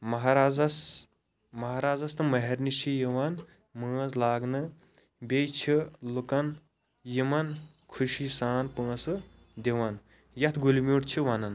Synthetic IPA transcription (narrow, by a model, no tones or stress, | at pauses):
mɐɦaɾaːzɐs | mɐɦaːɾaːzɐst̪ɨmɐɦeɾnit͡ʃʰijiʋan | məːzlaːɡnɨ | bʲejt͡ʃʰilukɐn | jimɐn | kʰuʃisaːnpə̃ːsɨ | d̪eʋɐn | jɐt̪ʰɡulimʲuːʈt͡ʃʰiʋanɐn